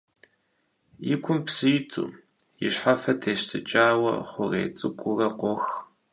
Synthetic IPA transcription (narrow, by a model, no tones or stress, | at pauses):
jɪkʷʰʊmpsɨjtʰṵː | jɪ̰ɕħafɐtʰeːɕtʰɨt͡ʃʼaːwɐ̰χʷʊrḛːt͡sʼɨkʷʼʊrɐqʷɔx